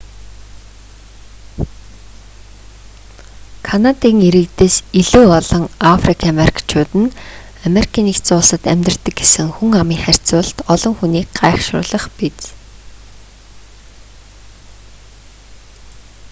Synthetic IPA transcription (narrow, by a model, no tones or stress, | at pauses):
kʰanat̪iːŋiɾɘ̆kt̪eːsiɮuːɔɮɞ̆ŋafrikʰameɾʲikʰḁt͡ɕʰʊːt̪ɘ̆n | ameɾi̥kʰiːnixt͡sʊːɮsə̆t̪æmʲt̪r̆t̪ɘ̆k̚ɡesɘ̆ŋxuŋamiːŋχær̥ʲt͡sʊːɮt̪ɔɮɞ̆ŋxuniːkɢaːχʃʊ̰ːɮə̆χpit͡s